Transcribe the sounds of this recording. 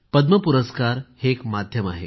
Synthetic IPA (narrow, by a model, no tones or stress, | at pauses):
pəd̪məpuɾəskaɾhekmad̪ʱjəmaɦḛ